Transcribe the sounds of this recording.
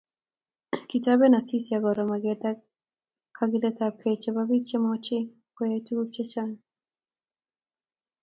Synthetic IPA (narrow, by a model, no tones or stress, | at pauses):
kitaβɛnasisiaɡɔɾɔmaɡɛda | kʰaɡidɛtakʰɛt͡ʃɛβabit͡ʃɛmɔt͡ʃi | kɛjɛtuɡut͡ʃɛt͡ʃan